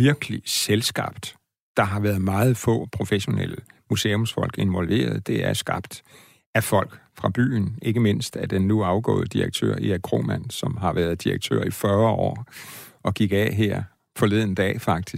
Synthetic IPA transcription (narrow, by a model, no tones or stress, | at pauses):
ʋiɐɡ̥əliselsɡ̥ɑ̈b̥d̥ | d̥ɑ̈ɦɑ̈ʋæɐð̩ˠmɑ̈ːð̞̩ˠfɔ̰̽ːpʰʁo̝feɕo̝nḛl̰əmuse̝ːo̽msfɒ̽l̰ɡ̥e̝nʋɒ̽lʋe̝̰ːɐð̞ˠd̥e̝æɐsɡ̥ɑ̈b̥d̥ | æfɒ̽l̰ɡ̥fʁɑ̈b̥y̰ːnʔe̝ɡ̥əme̝n̰sd̥æd̥enːuɑ̈ʊɡ̥ɔ̰̽ːð̞̩ˠəd̥iʁɐɡ̥̚t͡sʰø̰ɐ̰iækʰʁo̝̰mæn̰sɒ̽mɦɑ̈ʋæːɐð̞ˠd̥iʁɐɡ̥̚t͡sʰø̰ːɐ̰ifɶːɐɒ̰ːɒ̽ɡ̥iɡ̥ɛɦeɐ̰ | fɒ̽le̝ð̰ˠn̩d̥ɛ̰ːfɑ̈ɡ̥d̥is